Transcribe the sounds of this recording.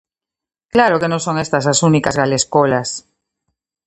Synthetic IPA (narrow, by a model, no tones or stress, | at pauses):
klaɾokenõŋsõ̞ŋest̪as̬asunikazɣaleskolas